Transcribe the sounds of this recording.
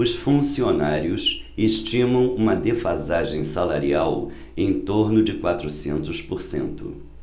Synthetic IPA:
ʊsfũsionaɾiʊs | eʃt͡ʃĩmɐ̃w̃ũmɐd̪efazaʒẽj̃salaɾiaw | ẽj̃t̪oɾnʊd͡ʒɪkwat̪ɾʊsḛ̃nt̪ʊspoɾsḛ̃nt̪ʊ̰

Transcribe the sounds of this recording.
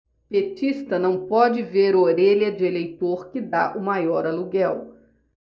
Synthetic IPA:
pet͡ʃist̪ɐnɐ̃w̃pɔd͡ʒɪveɾoɾeʎɐd͡ʒɪelejt̪oɾkɪd̪aʔʊmajɔɾaluɡɛw

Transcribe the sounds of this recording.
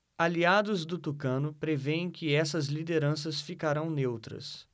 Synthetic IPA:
aliad̪ʊzd̪ʊt̪ukɐ̃nʊpɾevẽj̃kɪɛsɐzlid̪eɾɐ̃sɐsfikaɾɐ̃w̃newt̪ɾɐ̰s

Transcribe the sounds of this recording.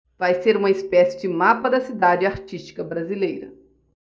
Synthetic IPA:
v̥ajseɾũmɐispɛsɪd͡ʒɪmapɐd̪ɐsid̪ad͡ʒɪaɾt͡ʃist͡ʃi̥kɐbɾazilejɾɐ̰

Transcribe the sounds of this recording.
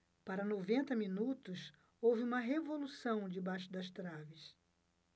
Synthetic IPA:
paɾɐnovẽnt̪ɐmĩnut̪ʊs | owvɪũmɐɦevolusɐ̃w̃d͡ʒɪbaʃʊd̪ɐst̪ɾavɪs

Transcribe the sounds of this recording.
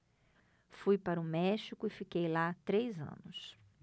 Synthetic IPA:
fujpaɾɐʊmɛʃikʊɪfikejlat̪ɾejzɐ̰̃nʊs

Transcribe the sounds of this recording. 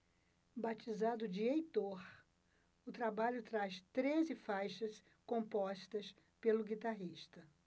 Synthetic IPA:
bat͡ʃizad̪ʊd͡ʒɪejt̪oɾ | ʊt̪ɾabaʎʊt̪ɾaʃt̪ɾezɪfajʃɐs | kõmpɔʃt̪ɐs | pelʊɡit̪aɦiʃt̪ɐ

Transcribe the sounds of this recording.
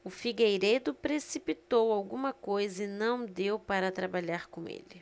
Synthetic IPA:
ʊfiɡejɾejd̪ʊpɾesipit̪owawɡũmɐkojzɐɪnɐ̃w̃d̪ewpaɾɐt̪ɾabaʎaɾkõḛlɪ

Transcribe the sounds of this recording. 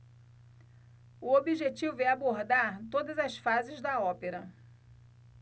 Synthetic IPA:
ʊobiʒet͡ʃivʊɛaboɾd̪aɾt̪od̪ɐzɐsfazɪzd̪ɐɔpeɾɐ

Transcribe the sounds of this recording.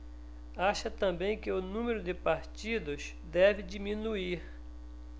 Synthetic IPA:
aʃɐt̪ɐ̃bẽj̃kɪʊnũmeɾʊd̪ɪpaɾt͡ʃid̪ʊs | d̪ɛvɪd͡ʒimĩnuiɾ

